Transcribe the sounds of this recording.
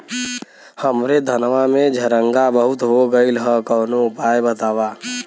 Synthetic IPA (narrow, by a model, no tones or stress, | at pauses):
həmɾed̪ʱənʋamẽd͡ʒʱəɾə̃ŋɡabəɦʊt̪ɦoɡəilɦə̃kɔːnoʊpaːjbət̪aːwaː